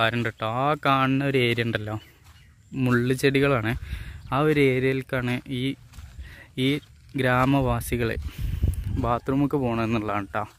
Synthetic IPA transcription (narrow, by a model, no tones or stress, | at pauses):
aːɾɐɳɖeʈːɐakaːɳinːɐoɾeːɾijɐɳɖɐlːo | muɭːɨt͡ɕeɽiɣɐɭaːɳɨaːoɾe̞ːɾijɐlkaːɳɨʔiː | iː | ɡɾaːmɐʋaːsiɣɐɭḛ | baːt̪rumukːɨpo̞ːɳɐenːuɭːaːɳʈːa